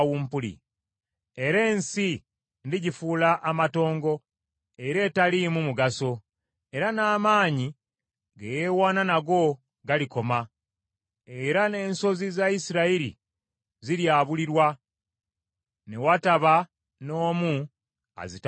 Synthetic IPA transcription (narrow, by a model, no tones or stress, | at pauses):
wumpulḭ | e̞ɾe̞ːnsi | ndiɟifuːlaʔːmato̞ːŋɡo̞ | eɾe̞ːtalimumuɡaso̞ | e̞ɾanaːmaːɲi | ɡejewaːnanaɡo̞ | ɡaliko̞ma | eɾane̞ːnso̞zizaisiɾaiɾḭ | ziɾjaːβuliɾwa | ne̞wataβa | no̞ːmu | a̰zit